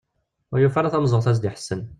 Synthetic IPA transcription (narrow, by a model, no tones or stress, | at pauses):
ʊjufaɾaθæmzˤəʁθæs̬d̪iħə̥sːən